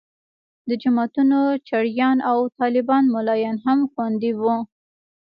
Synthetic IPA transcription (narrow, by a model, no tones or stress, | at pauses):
d̪əd͡ʒamɑt̪unot͡ʃaɽjɑnawt̪ɑlɪbɑnmʊlɑjɑnɦamxwand̪iwu